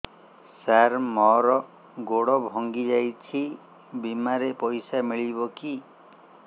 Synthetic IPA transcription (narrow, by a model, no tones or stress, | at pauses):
saɾmɔɾɔ | ɡoɽɔbʱɔŋɡid͡ʒajt͡ʃʰi | bimaɾepɔjsamiɭibɔki